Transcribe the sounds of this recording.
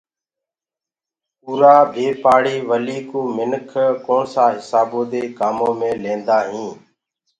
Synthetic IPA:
puːɾaːbʱeːpaːɽiːʋəliːkuːmɪnkʰkoːɳsaːɦɪsaːbõːd̪eːkaːmõːmẽːlẽːnd̪aːɦĩː

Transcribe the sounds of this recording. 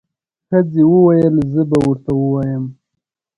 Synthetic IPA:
xad͡zewəwajəlzəbawəɾt̪awəwajəm

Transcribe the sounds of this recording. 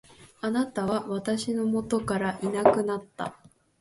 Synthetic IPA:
anat̪aβaβat̪aɕino̞mo̞t̪o̞kaɾaʔinakɯ̟nat̪ːa̰

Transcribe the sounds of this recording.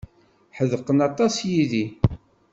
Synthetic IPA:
ħəðəqənɑt̪ˤɑsjiði

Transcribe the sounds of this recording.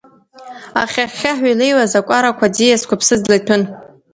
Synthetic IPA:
aχʲaχʲaħɥajlejwazakʷʼaɾakʷʰadijaskʷapʰsɨzlajtʷʰʊn

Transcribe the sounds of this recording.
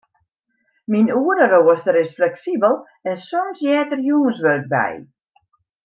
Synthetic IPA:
minuəɾəroəstəɾɪsflɛksibəlˠ | ɛnsɔmsjɛːtərjuŋənsʋøːk̚bɛ̰j

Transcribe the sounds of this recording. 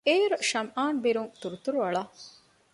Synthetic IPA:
eːɾuʃɐmʔaːnbiɾuŋt̪uɾut̪uɾuʋɐɭa

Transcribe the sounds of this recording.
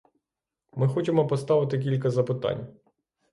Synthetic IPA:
mɪxɔt͡ʃemɔpɔst̪ɑʋɪt̪ɪk̬ʲilʲkɐzɐpɪt̪ɑ̰nʲ

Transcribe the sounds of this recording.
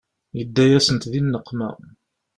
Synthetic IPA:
jəd̪ːæjæsənt̪ðinːəqʰːmæ̰

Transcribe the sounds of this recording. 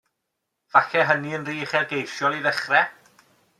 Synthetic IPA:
v̥axɛɦəniənriːχɛrɡejʃjɔlˠiðəχrɛ

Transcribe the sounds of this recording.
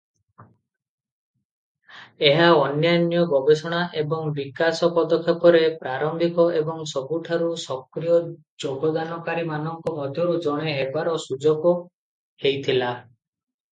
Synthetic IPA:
eɦaɔnjanjɔɡɔbesɔɽ̃aʔebɔŋbikasɔpɔd̪ɔkʰɔkɔɾepɾaɾɔmbʱikɔebɔŋsɔbuʈʰaɾusɔkɾijɔ | d͡ʒoɡɔd̪anɔkaɾimanɔŋkɔmɔd̪ʱjɔɾud͡ʒɔɽ̃eɦebaɾɔsud͡ʒɔɡɔ | hejt̪ʰila

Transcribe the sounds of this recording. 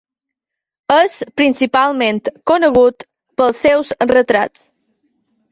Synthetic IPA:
əspɾinsipalˠment̪kunəɣut̪ | pəlˠsɛwsrət̪ɾa̰t͡s

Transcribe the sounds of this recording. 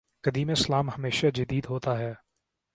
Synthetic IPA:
kɐd̪iːmeslaːmhɐmeːʃad͡ʒəd̪iːd̪ɦoːt̪aɦɛː

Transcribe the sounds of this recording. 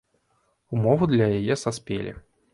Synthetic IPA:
umɔvud̪lʲɐjajɛsaspʲḛlʲḭ

